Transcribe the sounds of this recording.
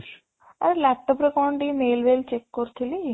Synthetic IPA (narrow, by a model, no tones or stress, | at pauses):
ɐɾlaʈːəpɾekɔːɳɖimeːlʋelt͡ʃekːoɾt̪ʰili